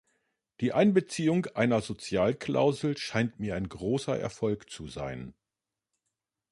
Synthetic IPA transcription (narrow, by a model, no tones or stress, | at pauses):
d̥iːʔaɪnbət͡siːʊŋʔaɪnɐzot͡sjaːlkʰl̥a̰ʊzl̩ʃaɪntmiːɐaɪnɡʁoːsɐʔɛ̰ɐfɔlkt͡suza̰ɪn